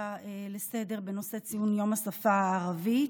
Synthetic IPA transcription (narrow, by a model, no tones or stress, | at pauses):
elese̞de̞ʁbe̞no̞se̞t͡sijunjo̞masafaːʁavi